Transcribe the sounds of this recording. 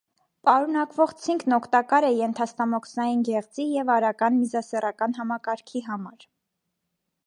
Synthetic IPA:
pɑɾunɑkvɔʁt͡sʰiŋkʰnɔkʰt̪ɑkɑɾɛjɛnt̪ʰɑst̪ɑmɔkʰsnɑjinɡɛʁt͡sijɛvɑɾɑkɑnmizɑsɛrɑkɑnɦɑmɑkɑɾkʰiɦɑmɑɾ

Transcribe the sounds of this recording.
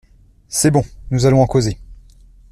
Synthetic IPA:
sɛbɔ̃nuzalɔ̃ɑ̃koze

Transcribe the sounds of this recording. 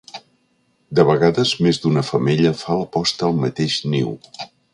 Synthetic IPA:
d̪əβəɣaðəzmezd̪unəfəmeʎəfaləpɔst̪əːlˠmət̪eʃnḭw

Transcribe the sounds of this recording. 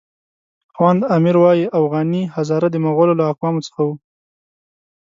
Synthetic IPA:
xwand̪amɪɾwɑjiʔafɣɑnihazɑɾad̪əmaɣololaːkwɑmot͡sə̥xawu

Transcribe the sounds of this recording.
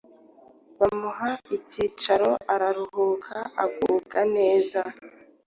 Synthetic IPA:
βamuɦaiciːt͡ʃaɾo̞ʔaɾaɾuhuːkʰaa̰ɡukane̞ːza

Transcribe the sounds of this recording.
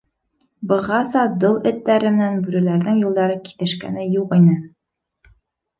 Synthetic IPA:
bɤ̆ʁɑsɑd̪olˠɵ̆t̪ːæɾɘmɘ̆nænbʉɾælæɾðɘŋjulˠd̪ɑɾɤki̥t̪ɘ̆ʃkæ̰nɘjuqinɘ

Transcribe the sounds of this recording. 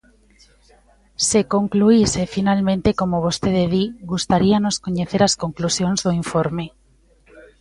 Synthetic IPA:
sekoŋkluisefinalmẽnt̪ekomoβost̪eðeðiɣust̪aɾianoskoɲeθeɾaskoŋklusjonzðoiɱfoɾme

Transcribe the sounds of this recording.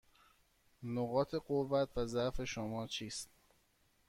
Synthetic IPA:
noɣɒːt̪ʰe̞ɢovːæt̪ʰvæzæfe̞ʃomɒːt͡ʃʰiːst̪

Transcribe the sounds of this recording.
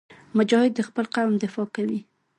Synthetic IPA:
mʊd͡ʒɑhɪd̪̚ːəxpəlqawmd̪ɪfɑkawi

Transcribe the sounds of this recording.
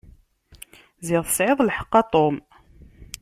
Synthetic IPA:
zɪðˤθə̥sʕeðˤlħə̥qːɑt̪ˤom

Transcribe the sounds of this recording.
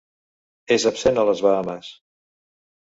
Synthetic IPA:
ezəpsenələzβəaməs

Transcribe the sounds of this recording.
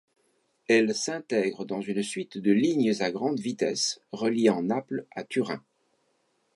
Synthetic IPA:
ɛlsɛ̃t̪ɛɡʁəd̪ɑ̃zynsɥit̪d̪əliɲəzaɡʁɑ̃d̪vit̪ɛsʁəljeɑ̃naplat̪ʰyʁɛ̰̃

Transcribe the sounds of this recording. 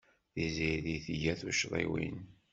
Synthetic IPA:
ðiziðiθʝæθuʃðˤḭwḭn

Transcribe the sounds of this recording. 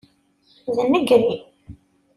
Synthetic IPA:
ðənːəɡɾi

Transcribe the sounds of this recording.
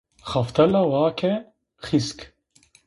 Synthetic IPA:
xaft̪ʰɐlawaːkʰɛ | xisk

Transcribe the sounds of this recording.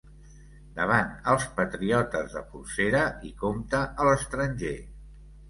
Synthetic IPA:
d̪əβ̞anəlˠspət̪ɾiɔt̪əzðə̰fulseɾəikomt̪əʔələst̪ɾənʲʒe

